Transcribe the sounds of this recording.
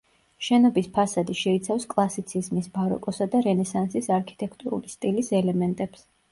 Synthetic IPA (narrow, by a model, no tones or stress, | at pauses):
ʃɛnɔbispʰasad̪iʃɛit̪sʰafskʼlˠasit̪sʰizmisbaɾɔ̰kʼɔsad̪aɾɛnɛsansisaɾkʰi̥t̪ʼɛkʰt̪ʼuɾṵlist̪ʼilisɛlɛmɛnt̪ʼɛps